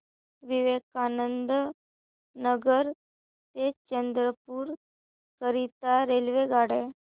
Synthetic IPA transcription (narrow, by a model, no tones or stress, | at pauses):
ʋiʋekanənd̪ | nəɡəɾ | t̪et͡ɕənd̪ɾəpuːɾ | kəɾit̪aɾelʋeɡaɽe